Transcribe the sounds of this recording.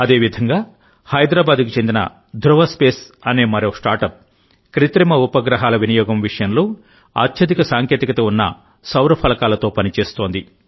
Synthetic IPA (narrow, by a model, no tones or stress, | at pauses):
ɐd̪e̞ːʋid̪ʱɐŋɡaː | hɐjd̪ɾaːbaːd̪kit͡ʃend̪inɐ̰ | d̪ʱɾuʋɐspeːsɐne̞ːmɐɾoːsʈaːɾʈɐp̚ | kɾit̪ɾimɐupɐɡɾɐɦaːlɐʋinɐjɔːɡɐmʋiʂɐjɐnloː | a̰ːt̪jɐd̪ikɐsaːŋkeːt̪ikɐt̪ɐunːɐ̰ | sɐwɾɐpʰɐlɐkaːlɐt̪o̞ːpɐnit͡ʃe̞ːst̪o̞ːnd̪i